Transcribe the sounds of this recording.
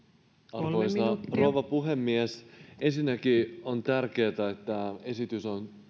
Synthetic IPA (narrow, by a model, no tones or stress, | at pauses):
ɑʋoist̪ɑroʋɑpuɦemːiesensinːækiont̪ærke̞ːt̪æet̪ːæe̞sit̪yson